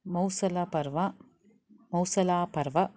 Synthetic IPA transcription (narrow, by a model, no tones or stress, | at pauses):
mɐwsɐlɐpɐɾʋɐ | mɐwsɐlaːpɐɾʋɐ